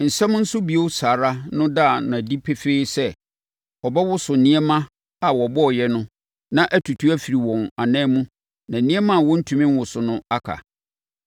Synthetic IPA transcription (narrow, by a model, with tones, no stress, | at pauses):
n̩˨sɛ̃˦m˦n̩˦sʊ˦bi˨o˦saː˨ɾa˦nʊ̃˦da˦˨n˨ã˨di˦pʰe˦feː˦sɛ˦ | ɔ˨bɛ˦wʊ˦sʊ˨nĩ˦ɛ˦mã˦ | a˨wɔ˨bɔ˦˨jɛ˦nʊ̃˦ | nã˦ʔæ˦tʰu˨tʰu˦æ˦fi˨ɾi˨wɔ̃˨na˨nɛ̃ː˦mũ˦ | nã˨nĩ˦ɛ˦mã˦˨wɔ̃˦n̩˦tʰũ˨mɪ̃˦m˦wʊ˨sʊ˨nʊ̃˦a˦kʰa̰˨